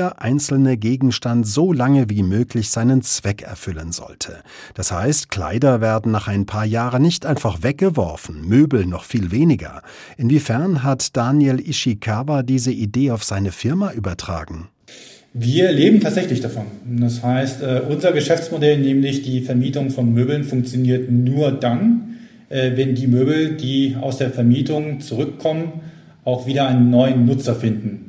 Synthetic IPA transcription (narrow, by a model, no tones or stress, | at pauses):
ɐʔaɪnt͡sl̩nəɡeːɡŋ̩ʃtantz̥oːlaŋəviːmøːklɪçz̥aɪnənt͡sv̥ɛkɛ̰ɐfʏlənzɔ̰ltʰə | d̥asha̰ɪstkl̥a̰ɪdɐveːɐdn̩naːχaɪnpʰaːɐjaːʁən̩ːɪçtʔaɪnfaχv̥ɛk̚ɡ̥əvɔ̰ɐfn̩møːbl̩nɔχfiːlveːnɪɡɐ̰ | ʔɪnviːfɛɐnɦatd̥anjelʔɪʃikʰaːvadiːzəʔideːaʊfz̥aɪnəfɪɐmaʔyːbɐtʁ̥a̰ːɡŋ̩ | viːɐleːbm̩tʰaːtz̥ɛçlɪçd̥afɔnd̥ashaɪstɛːʔʊnzɐɡəʃɛft͡smodɛlnɛːmlɪçd̥iːfɛɐmiːtʊŋfɔnmøːbl̩nfʊŋk̚t͡sjoniːɐtnuːɐdan | ʔɛːvɛndiːmøːbl̩diːa̰ʊsd̥eːɐfɛɐmiːtʊŋt͡suʁʏkʰːɔmən | ʔaʊxv̥iːɾɐaɪnənːɔʏənːʊt͡sɐfɪndn̩